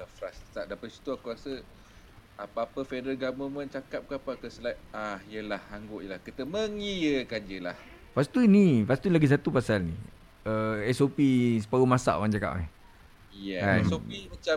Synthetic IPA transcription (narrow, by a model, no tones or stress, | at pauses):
əfɾast̪aʔ̚dapəsi̥t̪uakuɾasə | apəapəfɛdəlɡaməmənt͡ʃakap̚kap̚akəsəlaahijəlahaŋɡoʔjəlahkət̪əməŋijəkand͡ʒəlah | fast̪unifast̪unlaɡis̬at̪upasalnḭ | əɛsopis̬ə̥paɾumasa̰ʔwand͡ʒaka̰ʔa̰ | jɛaɛsopimat͡ʃam